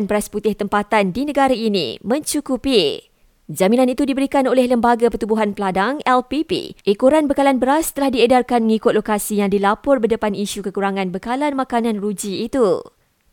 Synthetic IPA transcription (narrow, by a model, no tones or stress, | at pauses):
nbəɾasput̪ɪht̪əmpat̪andinə̃ɡaɾainḭ̃mə̃ɲt͡ʃukupi | d͡ʒamĩnãnit̪udibəɾikanolɛhləmbaɡapərt̪ubuɦanpəladaŋɛlpipḭʔikuɾanbəkalanbəɾast̪əlahdiedarkanməŋikʊt̪̚lokasijaŋdilapʊrbədəpaniʃukəkuɾaŋãnbəkalanmãkanãnrud͡ʒiːt̪u